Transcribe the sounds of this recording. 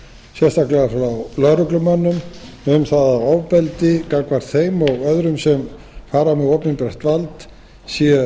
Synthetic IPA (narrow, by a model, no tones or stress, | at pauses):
sjɛst̪aklaafawlœɾʏklʏmœnːʏm | ʏmθaðaɔvpɛlt̪ɪkakvaɾ̥θejmɔɣœðɾʏmsɛm | faːɾamɛðoːwpninpɾɛht̪valt̪ | sjɛ